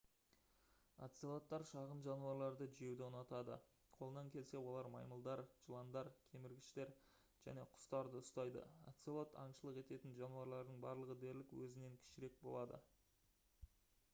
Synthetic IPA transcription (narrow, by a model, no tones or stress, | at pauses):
a̰t̪sielˠot̪ːɑɾʃɑʁənʒɑnuɑɾlˠɑɾd̪əʒije̞wd̪ɪonɑt̪ɑd̪ə̰ | qʰo̞lˠənɑŋkʲʰe̞lse̞wo̞lˠɑɾmɑjməlˠd̪ɑɾʒəlˠɑnd̪ɑɾkʲʰe̞mɪɾɡʲɪʃt̪e̞ɾ | ʒ̥æ̰ne̞qʰʊ̥st̪ɑɾd̪əʊst̪ɑjd̪ə̰a̰t̪selˠot̪ʰɑɴʃəlˠəqe̞t̪e̞t̪ɪnʒɑnuɑɾlˠɑɾd̪əɴbɑ̰ɾlˠəʁəd̪e̞ɾlɪkwɵ̰zɪne̞ŋkʲʰɪ̥ʃɪɾe̞k̚bo̞lˠɑd̪ə̰